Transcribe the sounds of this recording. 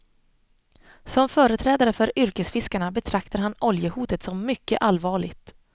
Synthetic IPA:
sɔmfœːɾət̪ʰɾɛːd̪aɾəfœɾʏɾkəsfɪskaɳabɛt̪ʰɾak̚t̪aɾɦanʔɔljəhuːt̪ət̪sɔmːʏkːəʔalvɑːɭɪɡt̪

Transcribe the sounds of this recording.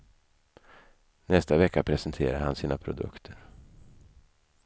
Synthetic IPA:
nɛst̪avɛkːapʰɾɛsɛnt̪ʰeːɾaɾhansiːnapʰɾʊd̪ɵ̰kt̪ʰəɾ

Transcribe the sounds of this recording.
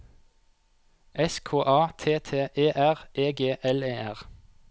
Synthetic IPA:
ʔɛskʰoːʔɑːt̪ʰeːt̪ʰeːʔeːʔæʁʔeːɡeːʔɛleːæʁ

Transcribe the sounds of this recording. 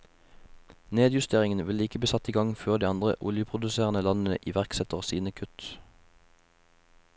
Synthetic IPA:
neːd̪jʉst̪ʰeːʁɪŋən̩ʋɪlɪkəbiːsɑt̪iːɡɑŋføːʁd̪iːɑnd̪ʁə̰ʔʊljəpʰʁʊd̪ʉseːʁənəlɑnn̩əʔiːʋæʁksɛt̪əʁsiːnəkʰʉt̪

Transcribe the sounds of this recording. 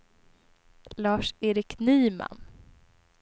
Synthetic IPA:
lɑːʂeːɾɪknyːma̰n

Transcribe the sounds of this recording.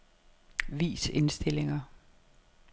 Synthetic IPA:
ʋḭːse̝nsd̥e̝le̝ŋɐ

